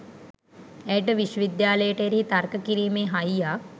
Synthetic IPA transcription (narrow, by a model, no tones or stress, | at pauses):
æjʈəʋiʃwəʋid̪jaːləjəʈəeɾiit̪arkəkiɾiːmeːɦajjaː